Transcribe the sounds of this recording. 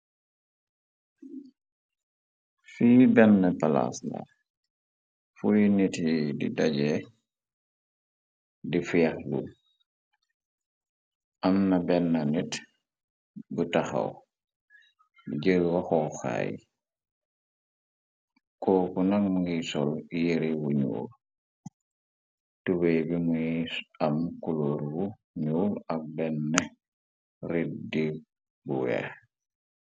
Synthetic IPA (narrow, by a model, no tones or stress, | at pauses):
fiːbɛnːəpala̰sla̰ | fujinitidḭdaɟɛ | difijaxlṵ | ʔamnabɛnːanit | butaxa̰w | biɟəɡwaxɔxa̰jḭ | koːkunaŋŋɡisɔlijeɾibuɲṵːl | tuwebimujisamkuloːɾbu | ɲuːlak̚bɛnːe | rit̚di | buwɛ̰